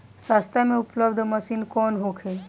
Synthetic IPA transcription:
sast̪ʰamẽʊpləbd̪ʱməsiːnkɔːnɦokʰeː

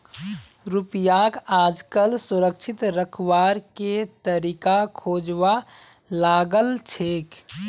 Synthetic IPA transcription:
ɾupijakad͡ʒkəlsuɾəkt͡ʃʰit̪ɾəkʰwaɾket̪əɾikakʰod͡ʒʋa | laɡəlt͡ʃʰeːk

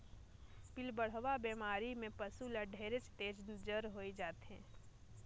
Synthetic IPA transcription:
pɪlbəɽ̤ʋabeːmaːɾimẽpəsuləɖʱeːɾɪt͡ʃt̪eːd͡ʒd͡ʒəɾɦoːid͡ʒaːt̪ɦɛ̰̃ː

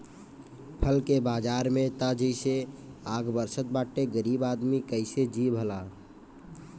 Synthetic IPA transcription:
pʰəlkebad͡ʒaɾmet̪əd͡ʒəɪseaɡbəɾsət̪̚baʈeɡəɾibad̪mikəɪsed͡ʒibʱəla

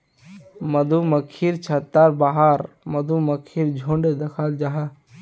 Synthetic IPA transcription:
mɐd̪uməkʰːiɾt͡ʃʰat̪ːaɾbaːɦaɾ | mɐd̪ʱuməkʰiːɾd͡ʒʱõɳɖed̪ɐkʰald͡ʒaːɦa

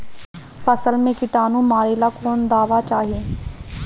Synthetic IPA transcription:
pʰəsəlmẽːkɪt̪aːnũːmaːɾeːlaːkoːnd̪aːʋaːt͡ʃaːɦieː

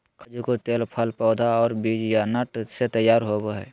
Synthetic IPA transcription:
kʰəd͡ʒkot̪eːlpʰəlpɔːd̪ʱaɔːɾbiːd͡ʒjanəʈset̪əjːaːɾɦoboɦɛ̰ː

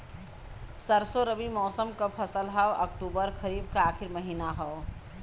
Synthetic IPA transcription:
səɾsoɾəbimɔːsəmkəpʰəsəlɦəwə̰k̚ʈuːbəɾkʰəɾiːb̚kaaːkʰiɾməɦiːnaɦə

